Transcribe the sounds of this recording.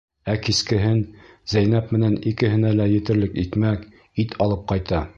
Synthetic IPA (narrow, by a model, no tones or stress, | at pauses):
ækiskɘ̆ɦɘnz̥æjn̪æpmɘ̆nænikɘ̆ɦɘ̆nælæjɘ̆t̪ɘ̆ɾlɘkit̪mæk | it̪ʰɒlˠɤp̚qɑjt̪ɑ